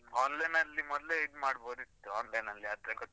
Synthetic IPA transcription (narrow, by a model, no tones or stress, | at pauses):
ɔːnlɐjnɐlːimɔd̪leid̪maːɽboːd̪it̪ːuɔːnlɐjnɐlːiaːt̪ɾekot̪ː